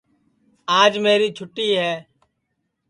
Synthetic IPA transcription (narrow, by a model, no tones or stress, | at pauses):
aːd͡ʒmeːɾiːt͡ʃʰʊʈːiːɦɛː